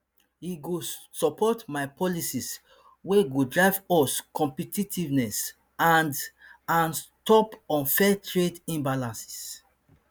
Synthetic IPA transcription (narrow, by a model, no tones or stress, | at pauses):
hiɡo | sɔpʰɔtmaɪpʰɔlisis | weɡudɹaɪvɔskɔ̃mpɛtitʰivnɛs | ãndãnstɔpɔ̃nfɛtʰɹedĩmbalãnsi̥s